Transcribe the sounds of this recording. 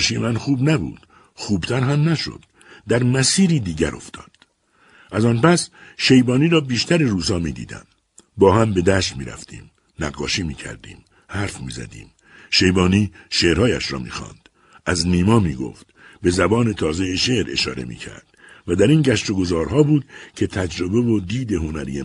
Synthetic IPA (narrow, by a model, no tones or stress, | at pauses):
ʃiemænxuːbnæbṵːd̪̥ | xuːbt̪ʰæɾɦæmnæʃo̰d̪̥ː | æɾmæsiːɾiːd̪iːɟæɾo̞̰ft̪ʰɒ̰ːd̪̥ | ʔæzɒːnpæsʃe̞jbɒːniːɾɒːbiːʃt̪æɾeɾuːsɒːmiːd̪ḭːd̪æ̰m | bɒːhæmbe̞d̪æʃt̪mḭːɾæ̰ft̪ʰḭːm | næɣːɒːʃiːmiːcʰæ̰ɾd̪ḭːm | hæɾfmiːzæ̰d̪ḭːm | ʃe̞jbɒːniːʃeːɾhɒːjæʃɾɒ̰ːmḭːxɒ̰ːnd̪̥ | ʔæzniːmɒːmiːɡo̰ft̪be̞zæbɒːne̞t̪ʰɒːze̞jeʃeʔɾe̞̰ʃɒ̰ːɾe̞̰mḭːcʰæ̰ɾd̪̥væd̪æɾinɟæʃt̪o̞ɡo̞zɒːɾɦɒːbuːd̪̥cʰe̞t̪ʰæd͡ʒɾo̞be̞vod̪iːd̪e̞ɦo̞næɾḭje